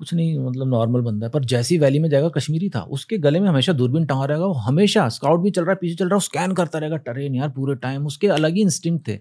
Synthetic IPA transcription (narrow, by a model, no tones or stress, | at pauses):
kʊt͡ʃʰnɐɦĩmɐt̪ləbnɔːɾməlbɐ̃nd̪aɦɛpɐɾd͡ʒɛːsiʋɛːlimẽd͡ʒaːeːɡakɐʃmiːɾit̪ʰa̰ːʔʊ̰skeɡɐlemẽɦɐmeːʃad̪uːɾbɪnʈɐ̃ŋaɾɐɦeːɡaoɦɐmeːʃaskaːʊʈ̚bʱit͡ʃɐlɾaːɦɛpiːt͡ʃʰet͡ʃɐlɾaːɛʊskɛːnkɐɾt̪aɾɐɦeːɡaʈɐɾeːnjaːɾpuːɾeʈaːɪmʊskeɐləɡiɪ̃nsʈɪːmt̪ʰḛː